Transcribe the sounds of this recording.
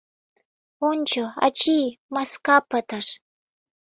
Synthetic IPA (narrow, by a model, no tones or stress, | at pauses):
ʊnt͡ʃawa̰t͡ʃiːmaskapat̪aʂ